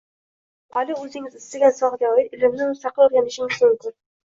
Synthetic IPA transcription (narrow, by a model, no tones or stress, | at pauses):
ɑlɪɵzɪŋɪzɪst̪ɪɡʲasɒʁd̪awjɪt̪ɪlɪmnɪmʊst̪ɑqɨlɵɾɡʲanɪʃɪŋɪzmʊŋkʲʊn